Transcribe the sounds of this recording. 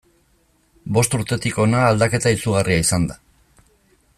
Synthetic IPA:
bo̞st̪uɾt̪e̞t̪iko̞naːld̪ake̞t̪aisuɣ̞arʔiaisand̪a

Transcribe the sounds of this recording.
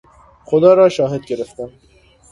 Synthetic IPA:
xod̪ɑːɾɒːʃɑːɦed̪̚ɡeɾeft̪æn

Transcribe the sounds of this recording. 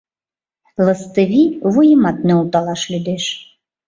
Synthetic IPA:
lˠɤ̆st̪əvʲivujimɑt̪̚nɛut̪ɑlˠɑʃlʲyd̪eʃ

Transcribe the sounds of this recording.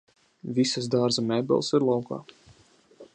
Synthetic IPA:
vʲisasd̪aːɾzamʲɛbʲɛ̰lˠsiɾlˠawka̰ː

